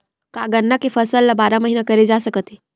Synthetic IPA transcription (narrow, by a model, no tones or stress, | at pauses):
kaɡənːakefʰəsəlːabaːɾaməɦiːnakəɾed͡ʒasəkət̪e